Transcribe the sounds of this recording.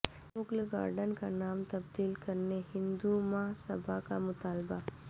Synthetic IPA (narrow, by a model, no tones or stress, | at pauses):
mʊklɡa̰ːɾɖənkanaːmt̪ɐbd̪iːlkɐɾnehɪ̃nd̪umaɦsɐbakamʊt̪aːlba